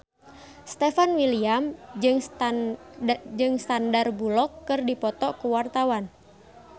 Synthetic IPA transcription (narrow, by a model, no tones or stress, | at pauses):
st̪ɛfanwiliamd͡ʒɨŋ | d͡ʒɨŋst̪andarbulɔkːɨrdipɔt̪ɔkuwart̪awan